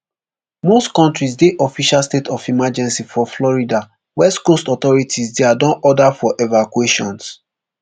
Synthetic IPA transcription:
mostkɔ̃ntɹis̬deʔɔfiʃalstetʰɔfimad͡ʒɛ̃nsifɔflɔɹida | wɛstkostɔt̪ɔɹitʰisdɛadɔ̃nʔɔdafɔʔɛvakweʃɔ̃ns

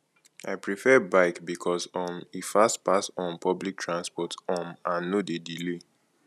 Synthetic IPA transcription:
aɪpɹifɛbaɪkbikʰɔsɔ̃mifastpasɔ̃npʰɔblik̚tʰɹãnspɔtɔ̃mãnnodedile

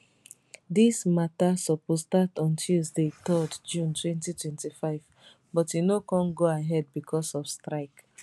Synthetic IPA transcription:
dismatasɔpostatɔ̃ntʰuzdetɔdd͡ʒũntʰwɛ̃ntitwɛ̃ntifaɪv | bɔtjunokɔ̃nɡoaɦɛd̚bikʰɔsɔfstɹaɪk

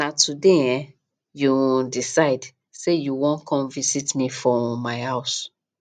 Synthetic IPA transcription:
natudeɛ̃ | judisaɪd | sejuwɔ̃nkʰɔ̃mvisitmifɹɔ̃maɪhaʊs

